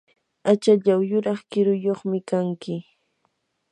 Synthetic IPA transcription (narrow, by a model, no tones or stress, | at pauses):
at͡ʃaʎawjʊɾɑχkɪɾʊjoχmɪkaŋkɪ